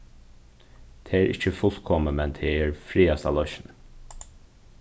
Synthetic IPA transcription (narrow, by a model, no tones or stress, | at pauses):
t̪ʰeːeːɾʔɪt͡ʃːəfʊl̥kʰɔməmɛnt̪ʰeːɛɹfɾiːast̪a̰lɔʃn